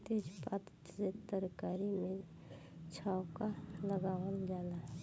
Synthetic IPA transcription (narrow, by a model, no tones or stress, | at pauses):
t̪ed͡ʒpat̪ | set̪əɾkaːɾimẽ | t͡ʃʰaːwkaləɡaːʋəld͡ʒaːlaɦ